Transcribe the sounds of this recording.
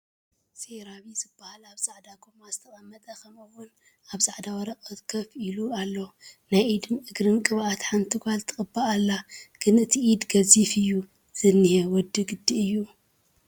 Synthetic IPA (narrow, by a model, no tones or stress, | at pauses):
seɾaβizɨbːahalaβsʼaʕd̪aɡomazɨt̪ʰɐχʼɐmːɐt̪ʼɐkʰɐmɨwːʊn | aβsʼaʕd̪awɐɾɐqʼɐt̪kʰɐfilualːonajʔid̪ɨnɨɡɾɨnkʼɨβʔat̪ħant̪ʰɨɡʷalt̪ʰɨkʼɨbːaːlːaɡ̥ɨnɨt̪ʰiʔid̪ɡɐzifɨjːu | z̥ɨnːihewɔd̪ːɨɡɨd̪ːiɨjːu